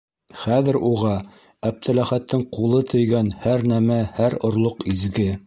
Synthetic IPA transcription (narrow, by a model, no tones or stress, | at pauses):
χæðɘ̆ɾuʁɑ | æp̚t̪ʰælæχæt̪ːɘɴqulˠɤt̪ʰɵ̆jɡænhæɾnæmæhæɾŏɾlˠoqizɡɘ